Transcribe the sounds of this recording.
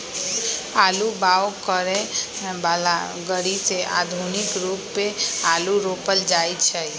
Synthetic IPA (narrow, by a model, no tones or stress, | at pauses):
alubaʋokəɾe | bala | ɡəɽiseʔa̰d̪ʱunikɾupːealuɾopəld͡ʒajt͡ʃʰe